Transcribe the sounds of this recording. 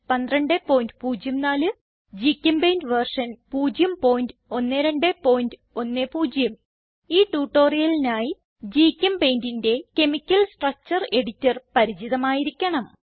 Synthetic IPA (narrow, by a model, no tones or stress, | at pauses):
pɐnd̪rɐɳɖepːo̞ːjndɨpuːd͡ʑjɐmnaːlɨ | d͡ʑiːkʲːɐmbejndɨʋɐrʂɐnpuːd͡ʑjɐmpo̞ːjindɨo̞nːeɾeɳɖepo̞ːjindɨo̞nːepuːd͡ʑjɐm | iːʈuːʈːo̞ːrijɐlinaːji | d͡ʑiːkʲːɐmbejndinde̞ke̞mikʲːɐlsʈrɐk̚t͡ɕɐre̞ɽitːɐrpɐɾit͡ɕiðɐmaːjiɾikʲːɐɳɐm